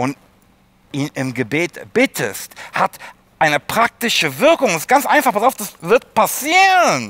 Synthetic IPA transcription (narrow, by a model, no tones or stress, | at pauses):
ʔʊnt | ʔiːnʔɪmɡəbeːtb̥ɪtʰə̰sthat | ʔaɪnəpʁ̥ak̚tɪʃəvɪɐkʊŋsɪst̚ɡ̥ant͡sʔaɪnfaχpasaʊfd̥asvɪɐt̚pasiːʁən